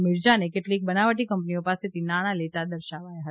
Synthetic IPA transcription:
mɪɾd͡ʒanekɪʈliːk̚bənaʋəʈikə̃mpnijõpaset̪inaɽ̃alet̪ad̪əɾʃaʋajaɦət̪a

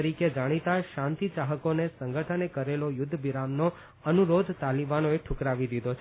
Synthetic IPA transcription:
ɾiked͡ʒaɽ̃it̪aʃãnt̪it͡ʃaɦəkonesəŋɡʱəʈʰənekəɾelojʊd̪ʱːbiɾamno | ənuɾod̪ʱt̪alibanoeʈʰʊkɾaʋid̪id̪ʱot͡ʃʰ

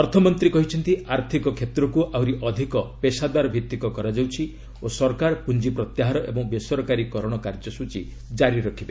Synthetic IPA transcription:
ɔɾt̪ʰɔmɔnt̪ɾikɔɦit͡ʃʰɔnt̪iaɾt̪ʰikɔkʰet̪ɾɔkuʔawɾiʔɔd̪ʱikɔpesad̪aɾɔbʱit̪ːikɔkɔɾad͡ʒawt͡ʃʰi | osɔɾkaɾpund͡ʒipɾɔt̪jaɦaɾɔʔḛbɔŋbesɔɾɔkaɾikɔɾɔɽ̃ɔkaɾd͡ʒɔsut͡ʃi | d͡ʒaɾiɾɔkʰibe

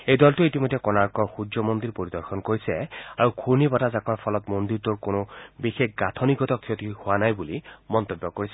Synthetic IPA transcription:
ejd̪ɔltuit̪imɔd̪ʱːekɔnaɾkɔxud͡ʒjɔmond̪iɾpoɾid̪ɔɾxʰɔnkoɾisɛaɹukʰuɹnibatazakʰɔɹpʰɔlɔt̪mond̪iɾt̪ɔɾkonobixekʰɡat̪ʰɔniɡɔt̪ɔkʰːot̪ihoanajbulimɔnt̪obːɔkoɹisɛ

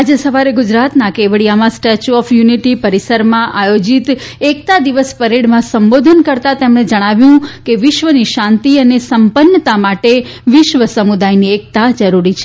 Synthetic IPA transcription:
ad͡ʒesəʋaɾeɡʊd͡ʒɾat̪nakeʋɭiamãsʈet͡ʃuɔfʰjuniʈipəɾisəɾmãʔajod͡ʒit̪ | ek̚t̪ad̪iʋəspəɾeɽmãsəmbod̪ʱənkəɾt̪at̪emɽ̃ed͡ʒəɽ̃aʋjũkeʋɪʃʋəniʃãnt̪iənesəmpənːət̪amaʈeʋɪʃʋəsəmud̪ajniek̚t̪ad͡ʒəɾuɾit͡ʃʰe

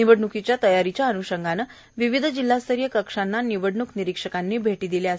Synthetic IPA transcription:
iʋəɽɳukit͡ɕjat̪əjaɾit͡ɕjaənuɕəŋɡanə | ʋiʋid̪ʱəd͡ʑilːast̪ʰəɾijəkəkʂanːaniʋəɽɳukniɾikʂəkanːiːbʱeʈiːd̪ileas

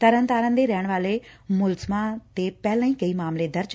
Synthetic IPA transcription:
t̪ɐɾə̃nt̪aːɾə̃nd̪eɾɐɦəɽ̃ʋaːlemʊlzmãt̪epɛɦɪlãĩkɐimaːmled̪ɐɾd͡ʒ

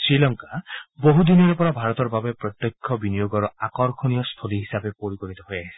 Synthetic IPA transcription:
sɹilɔŋkaboɦud̪inijɔɾupɔɾabʱaɾɔt̪ɔɾbabepɾɔt̪jɔkʰːɔbinijoɡɔɾɔakɔɾkʰɔnijɔst̪ʰoliɦisabepoɾikoɾit̪ɔɦojaɦisi̥

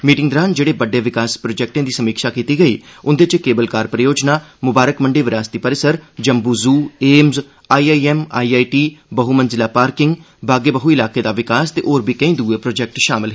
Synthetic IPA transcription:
miːʈɪŋɡd̪ɾaːnd͡ʒeːɽeːbəɖːeːʋɪkaːspɾoːd͡ʒɛːk̚ʈẽːd̪iːsəmiːkʃaːkiːt̪iːɡəiːʊnd̪et͡ʃkeːbəlkaːɾpɾəjoːd͡ʒnaːmʊbaːɾəkməɳɖeːʋɪɾaːst̪iːpəɾɪsəɾd͡ʒəmbuːzuːeːmz | aːiːaːiɛːma̰ːiːaːiʈiːbəɦuːmənzɪlaːpaːɾkɪŋɡ | baːɡeːbəɦuːɪlaːkeːd̪aːʋɪkaːst̪eːʔoːɾbʱiːkə̃ĩːd̪uːeːpɾoːd͡ʒɛːk̚ʈʃaːmɪlɦe

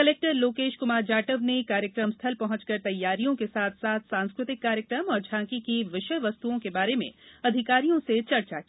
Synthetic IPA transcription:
kɐleːk̚ʈəɾloːkeːʃkʊmaːɾd͡ʒaːʈəʋnekaːɾjəkɾəmst̪ʰɐlpɐɦʊ̃t͡ʃkɐɾt̪ɐjːaːɾijõkesaːt̪ʰsaːt̪ʰsãːnskɾʊt̪ɪkːaːɾjəkɾəmɔːɾd͡ʒʱãːkikiʋɪʃəjʋɐst̪uõkebaːɾemḛ̃ɐd̪ʱɪkaːɾijõset͡ʃɐɾt͡ʃakia

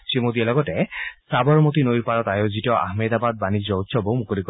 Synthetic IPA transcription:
simod̪ialɔɡɔtɛsabɔɹmot̪inojɹpaɹɔtajozitɔʔa̰hmed̪abad̪̚banizɔt̪sʰɔbomukolikɔ

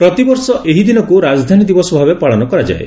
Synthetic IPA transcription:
pɾɔt̪ibɔɾsɔʔeɦid̪inɔkuɾad͡ʒd̪ʱanid̪ibɔsɔbʱabepaɭɔnɔkɔɾad͡ʒa̰ḛ

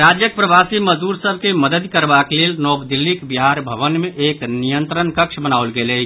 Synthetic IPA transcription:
ɾad͡ʒjək̚pɾəbasiməzd̪uɾsəb̚ʱkeməd̪əd̪kəɾbaklelnɔbd̪ilːikbiɦaɾbʱəβənmeʔeknijənt̪ɾənkəkt͡ʃʰbənaulɡelə

